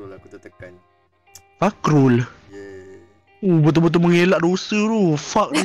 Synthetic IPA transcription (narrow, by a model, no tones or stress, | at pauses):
fakɾul | ubət̪̬ubət̪̬uməŋelaʔdosət̪ufak̚